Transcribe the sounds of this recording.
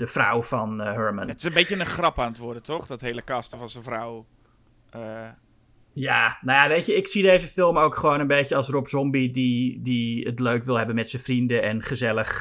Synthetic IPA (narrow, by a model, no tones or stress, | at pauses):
d̥əfra̰wfɑnɦøɹmənətɪ̥səmbetjənəχrɑpaːnətʋʊdətɔχdɔtɦejləkɑstəvɑnzənvraw | ə | jaːnojaʋejtjəɪksidejzəfɪlˠmowkχəʋownənbejtjəɑlˠsrɔpzɔmbididiətløɥkʋɪlˠɦɛbənmɛtsənfrindəʔɛnχəzɛləχ